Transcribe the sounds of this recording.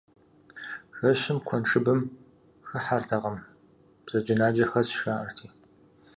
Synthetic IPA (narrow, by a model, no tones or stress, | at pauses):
ɕʷɐʃɪmkʷʰɔnʈ͡ʂʰɨbɨm | xɨħartʰɐʁɐm | b̥z̥ɐd͡ʒɪnaːd͡ʒɐxɐsʃaːɐrtʰiː